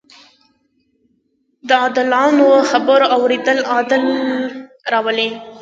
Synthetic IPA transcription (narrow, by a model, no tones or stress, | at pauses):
d̪əɑd̪ɪlɑnoxabəɾawɾed̪əlɑd̪ɪl | ɾɑwəle